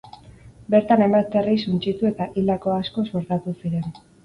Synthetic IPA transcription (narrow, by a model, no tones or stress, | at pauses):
be̞ɾt̪anajmbat̪erisunt͡ʃit̪ue̞t̪aʔild̪ako̞asko̞soɾt̪at̪usiɾe̞n